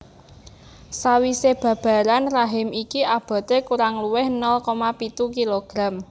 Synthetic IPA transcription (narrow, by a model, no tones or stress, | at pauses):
sawiseb̥ä̤b̥ä̤ɾanraɦɪmikiʔab̥a̤t̪ekuɾaŋluwɪhnɔlkɔmapit̪ukiloɡ̥ɾa̤m